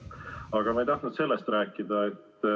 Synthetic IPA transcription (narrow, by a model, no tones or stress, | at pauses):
ɑɡ̥ɑmɑejt̪ɑht̪nut̪se̞lːest̪ræːkˑːid̪̥ɑet̪ː